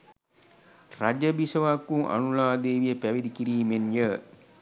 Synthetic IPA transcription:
rad͡ʒəbisəʋaːkːuŋʔa̰nulaːd̪eːʋijəpæʋid̪ikiɾiːmenjə

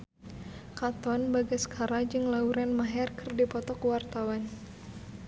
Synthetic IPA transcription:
kat̪ɔnbaɡasə̥kʰaɾad͡ʒɨŋlauɾanmaɦɛrkɨrdipɔt̪ɔkwart̪awan

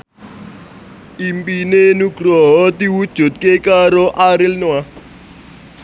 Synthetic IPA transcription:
impʼinenuɡ̥ʱrɔɦɔtiwud̥ʒ̥ʱot̚kʼekaɾɔʔaɾɛlnwa

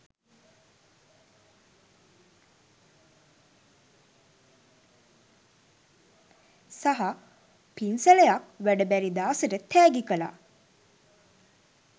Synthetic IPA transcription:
saɦa | pinsəlejakʋæɖəbæɾid̪aːsəɾət̪ʰːæːɡikəla̰

